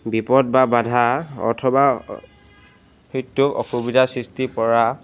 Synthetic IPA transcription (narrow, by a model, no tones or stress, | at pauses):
bipɔd̚babadʱaɔ̰tʰɔba | hojtːʊkɔ̰xubidʱasɹistipɔɹa